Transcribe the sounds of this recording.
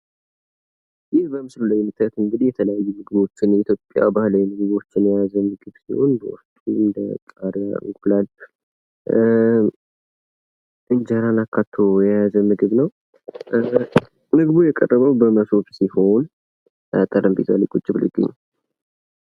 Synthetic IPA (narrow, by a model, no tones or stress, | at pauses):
jɪhbəmɨsluləjmɨt̪ʰət̪ɨŋɡɨd̪ijɛt̪ʰələjajːumɨɡɨβo̞t͡ʃːɪnit̪ʰjo̞pʼːja̰bahlawimɨɡɨβo̞t͡ʃːɪnjɛjazəmɨɡɨβsiho̞̰nbə̰wɔ̰st̪ʼuɨnd̪əkʼaɾjaɨ̰ɡulal | ʔɨnd͡ʒaɾanakʰːat̪ʰojɛjazəmɨɡɨβnəw | mɨɡɨβujɛkʼə̰rːəβəwbəməsofsiho̞n | t̪ʼəɾəmbet̪ʰa̰likʼut͡ʃʼːibɨlɨ̰ɡʼɨ̰ɲːa̰